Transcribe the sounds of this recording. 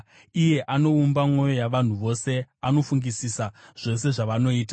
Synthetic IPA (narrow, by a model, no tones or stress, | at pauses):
ije̞ʔano̞umbamŋo̞jo̞jaʋan̤uʋo̞se̞ano̞fuŋɡisisaʐ̥o̞se̞ʐaʋano̞iːta